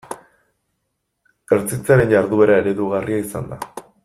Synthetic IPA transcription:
eɾt͡sit͡saɾe̞nʝaɾðuβe̞ɾae̞ɾe̞ðuɣariaisa̰nd̪a

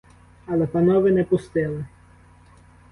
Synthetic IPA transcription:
ɐlˠɛpɐnɔʋɪnɛpʊst̪ɪlˠɪ

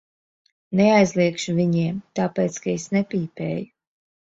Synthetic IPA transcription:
neajzlˠiɛkʃuvʲiɲiɛmt̪aːpeːt̪skaesnɛpʲiːpɛ̰ːju

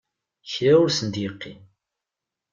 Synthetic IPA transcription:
çɾæʊɾsənd̪jəqːi

